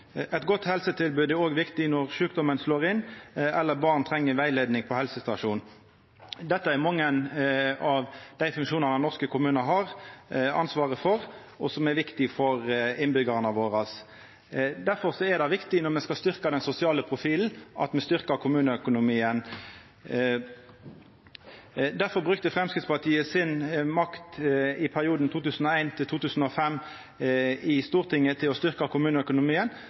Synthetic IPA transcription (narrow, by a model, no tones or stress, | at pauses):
ɛt̪ɡɔt̪ːhɛlsət̪ʰɪlbʉːd̪ɛɾoːɡʋɪkt̪ɪnɔʁʂʉːkd̪ɔmənsloːʁɪnːɛlːəɾbɑːʁnt̪ʰɾɛŋːəɾʋæɪleːd̪nɪŋpʰɔhɛlsəst̪ɑʂuːn | d̪ɛt̪ːəɛɾmɑŋːənɑʋd̪æɪfʉŋkʃuːnɑnɛnɔʁskəkʰʊmʉːnəɦɑʁɑ̰nsʋɑːʁəfɔɾ | ɔsɔmɛɾʋɪkt̪ɪfɔɾɪnbʏɡəʁənɑʋoːɾɑs | d̪æɾfɔɾsɔɛʁd̪ɑʋɪkt̪ɪnɔʁmɛskɑlst̪ʏʁkɑd̪ɛnsʊsɪɑːləpʰʁʊfiːln̩ʔɑ̰t̪mɛst̪ʏʁkəkʰʊmʉːnəœkʊnʊmiːən | d̪æɾfɔɾbʁʉk̚t̪əfʁɛmskʁɪt̪spɑʁt̪ʰiːəsɪnmɑkt̪ɪpʰæʁɪuːd̪n̩t̪ʰuːt̪ʉːsn̩ɔæɪnt̪ʰɪlt̪ʰuːt̪ʉːsən̩ɔfɛmː | ɪst̪uːʁt̪ʰɪŋːət̪ʰɪlɔst̪ʏɾkɑkʰʊmʉːnəœkʊnʊmiːən